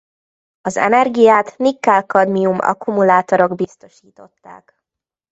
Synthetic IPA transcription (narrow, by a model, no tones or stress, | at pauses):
ɒzɛ̰nɛrɡijaːt̪nikːaːlkɒd̪miumɒ̰kumulaːt̪o̞ɾo̞ɡbist̪o̞ʃiːt̪o̞t̪ːa̰ːk